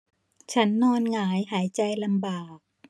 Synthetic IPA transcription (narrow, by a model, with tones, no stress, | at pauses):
t͡ɕʰa˦˥nːɔː˧nŋaː˩˦jɦaː˩˦jt͡ɕa˧jla˧mbaː˨˩k̚